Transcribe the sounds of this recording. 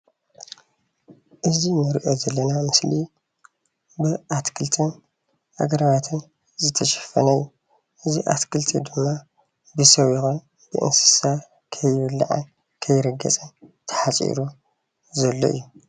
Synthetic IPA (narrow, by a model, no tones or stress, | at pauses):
ʔɨzimɨɾʔo̞zɐlːɐnamɨsli | bɨʔat̪kʰɨlt̪ʰɨn | ʔa̰ɡɐɾβat̪ʰɨn | zɨt̪ʰɐʃɐ̥fɐ̰nɐjːu | ʔɨziʔat̪kʰɨlt̪ʰid̪ɨmːa | bɨsɐwjɪxun | b̥ɨʔɨ̰nsɨ̥sa | kʰɐjɨβɨlːa̰ʕa̰n | kʰɐjːɪɾɐɡːɐ̰t͡sʼɨnt̪ʰɐ̥ħat͡sʼḭɾu | zɐlːo̰ʔɨ̰jːu